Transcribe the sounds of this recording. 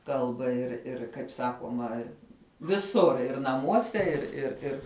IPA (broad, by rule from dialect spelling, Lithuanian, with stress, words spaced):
ˈkɐlˠbɐ ɪr ˈɪr kɐɪp ˈsɑːkuɔmɐ ʋʲɪˈsʊr ɪr nɐˈmuɔsʲɛ ɪr ɪr ˈɪr